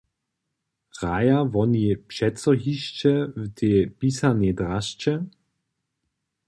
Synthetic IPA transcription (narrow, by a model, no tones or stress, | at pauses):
ʁajavɔniɛpʃɛtt͡sɔɦiʃt͡ʃɛwt̪ʰeːpiːsanɛdʁaʃt͡ʃɛ